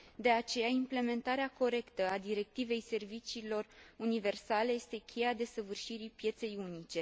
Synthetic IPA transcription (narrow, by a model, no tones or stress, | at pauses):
d̪e̞at͡ʃe̞jaimple̞me̞nt̪aɾeako̞ɾe̞kt̪əad̪iɾe̞k̚t̪ive̞jse̞rvit͡ʃiːlo̞runive̞rsale̞je̞st̪e̞kʲʰe̞jad̪e̞səvɨrʃiɾipje̞t̪se̞junit͡ʃe̞